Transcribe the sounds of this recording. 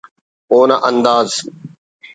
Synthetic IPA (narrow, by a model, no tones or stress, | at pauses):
oːnaʔənd̪aːz